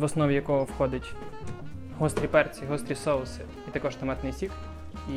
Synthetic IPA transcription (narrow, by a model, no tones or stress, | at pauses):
ʋɔsnɔʋʲijɐkɔɦɔwxɔd̪ɪtʲ | ɦɔst̪ɾʲipɛrt͡sʲiɦɔst̪ɾʲisɔlˠsɪ | it̪ɐkɔʃt̪ɐmɛt̪nɪjsʲik | i